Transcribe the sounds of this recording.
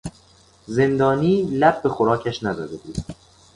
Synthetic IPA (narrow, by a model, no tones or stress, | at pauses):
ze̞nd̪ɒːniːlæb̚be̞xoɾɒːcʰæʃnæzɒ̰d̪ebṵːd̪̥